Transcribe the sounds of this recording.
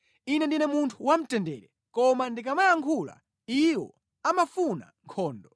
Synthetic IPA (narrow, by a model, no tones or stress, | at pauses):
inɛndinɛmuntʰuwam̩tɛndɛːɾɛ | kɔmandikamajaŋkʰula̰ | iwɔ̰ | amafuna̰ŋkʰɔːndɔ